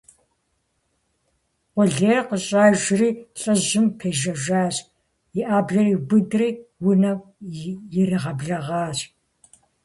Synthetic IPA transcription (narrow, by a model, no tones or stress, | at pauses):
qʷɔɮeːrqəɕʼaːʒriːɬʼɨʑɪmpʰeːʒɐʒʷaːɕ | jɪʔaːbɮɐriːbɨdriːwʊnɐwjɪriʁɐbɮɐʁɑːɕʼ